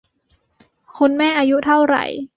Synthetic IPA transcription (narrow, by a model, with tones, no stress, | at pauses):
kʰu˧nmɛː˥˩ʔaː˧ju˦˥t̪ʰa˥˩wɾa̰˨˩j